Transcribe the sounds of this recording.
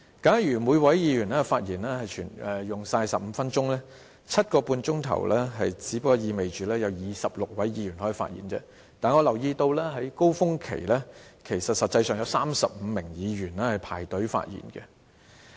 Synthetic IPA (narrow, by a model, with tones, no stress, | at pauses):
kaː˨˥njyː˨˩mu˨˧jwɐ˨˥jjiː˨˧jyː˨˩nlɛː˥faː˧t̚jiː˨˩nlɛː˥hɐ˨jt͡ʃʰyː˨˩nɛ˨jʊ˨ŋsaː˧jsɐ˨p̚m̩˨˧˦fɐ˥nt͡ʃʊ˥ŋlɛː˥ | t͡sʰɐ˥t̚kɔː˧puː˧nt͡ʃʊ˥ŋt̪ʰɐ̰˨˩wlɛː˥ɦɐ˨jt͡siː˨˥pkːɔ˧jiː˨˧me˨jt͡ʃyː˨˥lɛː˥jɐ˨˧wjiː˨sɐ˨p̚lʊ˨k̚wɐ˨˥jjiː˧jyː˨˩nhɔː˨˥i˨˩fa̰ː˧t̚jḭː˨˩nt͡sɛ̰ː˧˥ | t̪aː˨nŋɔː˨˧lɐ˨˩wjiː˧t̪o˧wlɛː˥ɦɐ˨˥jko˥wfʊ˥ŋkʰḛ˨˩jlɛː˥kʰe˨˩jsɐ˨t̚sɐ˨t̚t͡sɐ˧jsœː˨˩ŋjɐ˨˧wsaː˥msɐ˨p̚m̩˨˧mɪ˨˩ŋjiː˨˧ɥyː˨˩nlɛː˥hɐ˨jpʰaː˨˩jt̪ɵ˨˥ɥfa̰ː˧t̚jḭː˨˩nkɛ˧